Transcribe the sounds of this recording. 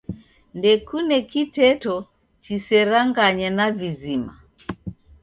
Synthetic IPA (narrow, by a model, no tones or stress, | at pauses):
ndɛkunɛkitɛtɔ | t͡ʃisɛɾaŋɡaɲɛnavizima̰